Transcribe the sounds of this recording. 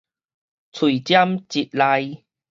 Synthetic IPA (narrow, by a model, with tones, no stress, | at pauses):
t͡sʰi˨˩t͡ɕja˦mt͡ɕi˨˩t̪̚la˧j